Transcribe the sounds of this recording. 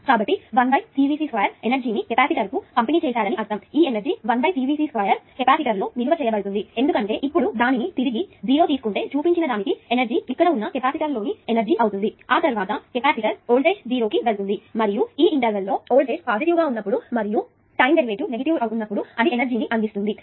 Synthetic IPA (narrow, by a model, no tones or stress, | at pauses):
kaːbɐʈːiʋɐnbɐjsiːʋiːsiːsʋɐjɐɾenɐɾd͡ʒiːnikɛpaːsiʈɐɾkukɐmpeniːt͡ʃɛːsaːɾɐniʔɐɾt̪ɐmiːenɐɾd͡ʒiʋɐnbɐjsiːʋiːsiːskʋɐjɐɾkepaːsiʈɐɾlo̞ːʋiluʋɐt͡ʃɛːjɐbɐɽut̪und̪iend̪ukɐɳʈe̞ːʔipːuɽud̪aːninit̪iɾiɡiziːɾo̞ːt̪iːsu̥kuɳʈe̞ːt͡ʃuːpiɲt͡ʃinɐd̪aːnikienɐɾd͡ʒiːikːɐɽɐunːɐkepaːsiʈɐɾlo̞ːnienɐɾd͡ʒiʔɐwt̪und̪iaːt̪ɐɾuʋaːt̪ɐkepaːsiʈɐɾoːlɖe̞ːʃd͡ziːɾoːkiʋelt̪und̪imɐɾijuiːiɳʈɐɾʋɐlːo̞ːoːlɖeːʃpaːsiʈiʋɡaːunːɐpːuɽumɐɾiju | ʈɐjmɖeɾiʋeːʈune̞ɡɐʈiʋɐwut̪unːɐpːuɽuɐnienɐɾd͡ʒiːniʔɐnd̪ist̪und̪i